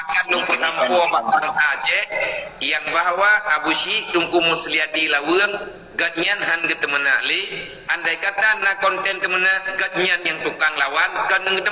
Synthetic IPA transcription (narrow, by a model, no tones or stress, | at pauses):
akanlopəɦampɔbakaŋad͡ʒɛk̚jaŋbaɦwaʔabuʃit̪uŋkumusliat̪ilawɨəŋ | ɡət̪̚ɲanɦanɡət̪əməna̰ʔli | ʔandajkat̪anːakɔnt̪ɛnt̪əmənaʔɡət̪̚ɲanjaŋt̪ukaŋlawankənuŋɡət̪ə